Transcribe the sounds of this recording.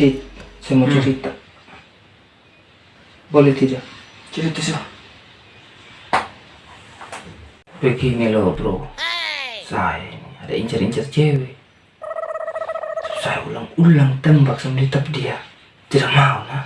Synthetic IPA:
it̪samot͡ʃɛɾit̪a | bolɛt̪idakt͡ʃɛɾit̪asi | pekiŋɛlobɾo | saeniada̰iɲt͡ʃariɲt͡ʃart͡ʃɛwɛ | saeṵlaŋulaŋt̪ɛmbaksamdit̪ap̚dia | t̪idaʔmauna

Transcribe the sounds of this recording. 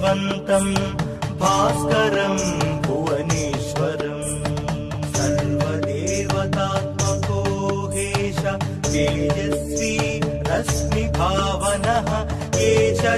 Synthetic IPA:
ʋɐnt̪ɐm | bʱaːskɐɾɐmbʱuʋɐneːʃʋɐɾɐm | sɐɾʋɐd̪eːʋɐt̪aːt̪mɐkoːɡeːʃɐ | d̪eːd͡ʒɐs | i | ɾɐsmibʱaːʋɐnɐɦɐ̆ | eːʃɐ

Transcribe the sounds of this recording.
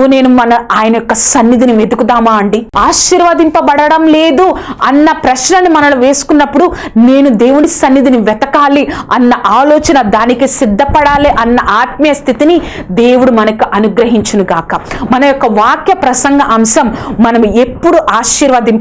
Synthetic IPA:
une̞ːnumɐnɐaːjɐnɐjɔkːɐsɐnːid̪iniʋe̞d̪ukud̪aːmaːɐɳɖiaːʃiɾʋaːd̪impɐbɐɽɐɽɐmle̞ːd̪uɐnːɐpɾɐʃnɐnːimɐnɐnuʋe̞ːsu̥kunːɐpːuɽu | ne̞ːnud̪e̞ːwunisɐnːid̪iniʋɛt̪ɐkaːliɐnːɐʔaːloːt͡ʃɐnɐd̪aːnikisid̪ʱːɐpɐɽaːliʔɐnːɐʔaːt̪̚mɐjɐst̪ʰit̪ini | d̪e̞ːwuɽumɐnɐkiʔɐnuɡɾɐɦiɲt͡ʃɐnuɡaːkɐmɐnɐjɔkːɐʋaːkjɐpɾɐsɐŋɡɐʔɐmʃɐmːɐnɐme̞pːuɽuʔaːʃiːɾʋaːd̪impɐ

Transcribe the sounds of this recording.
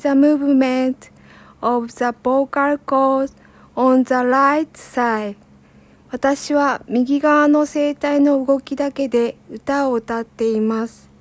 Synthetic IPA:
zamɯ̟ːbɯ̟mẽnt̪ | obɯzaboːkaɾɯ̟koːs | õnzaɾait̪ɯ̥sai | βat̪aɕiβamʲiɡʲiɡaβano̞se̞ːt̪aino̞ɯɡo̞kʲid̪ake̞d̪e̞ɯ̟t̪aot̪at̪ːe̞imasɨ̥

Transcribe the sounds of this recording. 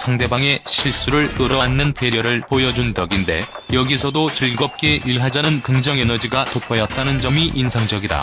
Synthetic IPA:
sʰaŋde̞baŋe̞ɕʰiɭs͈uɾɯɭ͈ɯɾʌnːɯnpʰe̞ɾjʌɾɯɭpojʌd͡ʑundʌɡinde̞̰ | jʌɡisʰʌdot͡ɕɯɭɡʌp̚k͈e̞iɭɦad͡ʑanɯnkɯŋd͡ʑʌŋe̞nʌd͡ʑiɡatopʰʌjʌt̚t͈anɯnd͡ʑʌmiʔinsʰaŋd͡ʑʌɡida̰

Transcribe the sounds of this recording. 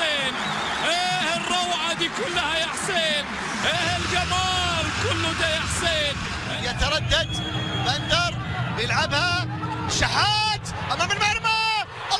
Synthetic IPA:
eːn | ʔeːhɪrˤːɑwʕad̪iːkʊlːahajaħseːn | ʔeːhɪlɡamaːɾkʊlːʊd̪ajaħseːn | jat̪ɑɾˤɑd̪ːad̪band̪ɑɾˤ | jɪlʕabha | ʃaħaːt̪ | ʔamaːmɪlmaʕɾma | ʔ

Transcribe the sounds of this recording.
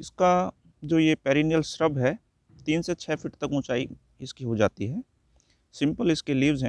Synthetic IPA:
ɪska | d͡ʒoːjepɛːɾiːnijəlsɾəbʱɦɛː | t̪iːnset͡ʃʰɛːfʰɪʈt̪ɐkʊ̃t͡ʃaːi | ɪskiɦod͡ʒaːt̪iɦɛː | sɪ̃mpəlɪskeliːʋzɦɛ̃ː

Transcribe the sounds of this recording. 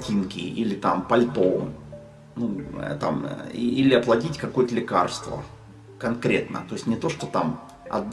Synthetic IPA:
tʲinkʲɪ̰ʔilʲɪt̪ampɐlʲt̪om | nṵt̪a̰miilʲɪɐplˠɐdʲitʲkɐkojət̪əlʲɪka̰rst̪və̰ | kɐnkɾʲe̞t̪nə̰t̪o̞jɪsʲtʲnʲɪt̪o̞ʂt̪o̞t̪am | ɐ̰d̪

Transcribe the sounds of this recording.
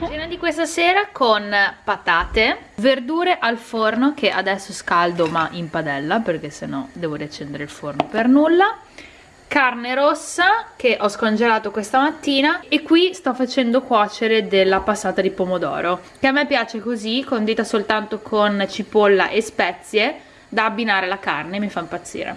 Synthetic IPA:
binad̪ikwest̪aseːɾakʰonpat̪aːt̪everd̪uːɾeʔalfornokeʔad̪ɛsːoskald̪omaʔimpad̪ɛlːaperk̟esːenːɔd̪ɛːvoɾiat͡ʃːend̪eɾeilfornopernulːa | karneɾosːak̟eʔɔskond͡ʒelaːt̪okwest̪amat̪ːiːnaekːwist̪ɔfːat͡ʃɛnd̪okwɔːt͡ʃeɾed̪elːapasːaːt̪ad̪ipomod̪ɔ̰ːɾokeamːepːjaːt͡ʃekozikond̪iːt̪asolt̪ant̪okʰont͡ʃipolːa̰ʔespɛt̪sːje | d̪aːbːinaːɾelakarnemːifaimpat̪sːḭːɾḛ

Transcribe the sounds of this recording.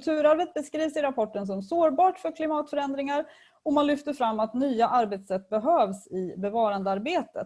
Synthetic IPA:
t̪ʰʉ̟ːɾaɾvət̪̚bɛskɾiːvsɪɾapʰɔʈːəns̬ɔmsoːɾbɑːʈfœɾkʰlɪmɑːt̪fœɾɛnd̪ɾɪŋaɾ | ɔmanlʏft̪əɾfɾamːat̪nyːaʔaɾbeːt̪sɛt̪ːbɛɦøːvsɪbɛvɑːɾand̪əaɾbeːt̪ə̰t̪

